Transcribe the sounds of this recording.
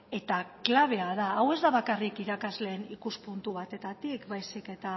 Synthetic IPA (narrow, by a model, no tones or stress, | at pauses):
e̞t̪aklaβ̞e̞að̞aːwe̞zðaβakarikiɾakazle̞ːnikuspunt̪uβ̞at̪e̞t̪at̪ikbajsike̞t̪a